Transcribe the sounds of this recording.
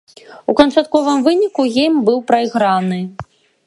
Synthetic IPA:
ukɐnt͡ʂat̪kɔvɨmvɨnʲikuɣʲejmbɨwpɾɐjɣɾanɨ

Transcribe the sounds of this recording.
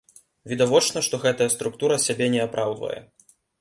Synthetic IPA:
vʲid̪avɔt͡ʂnɐʂt̪ɔɣɛt̪ɐjɐst̪ɾuk̚t̪uɾɐsʲabʲɛnʲɛapɾʔawd̪vɐ̰jɛ̰

